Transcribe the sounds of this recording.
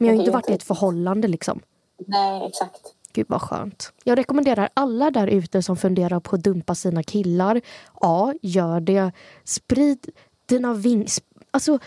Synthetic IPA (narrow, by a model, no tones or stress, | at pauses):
mɛnjahajɪnt̪əvaʈːɪɛt̪fœɾɦɔlːand̪əlɪksɔ̰m | nɛɛ̰ksakt̪ | ɡ̥ʉ̟ːva̰ɧœ̰ːnt̪jɑːɡɾɛkɔmɛnd̪eːɾaɾalːad̪æɾʔʉ̟ːt̪əsɔmfɵnd̪eːɾaɾpʰɔːd̪ɵmpasiːnakʰɪlːaɾʔɑːjœːɖɛspɾiːd̪ | d̪̥iːnavɪŋs | alsɔ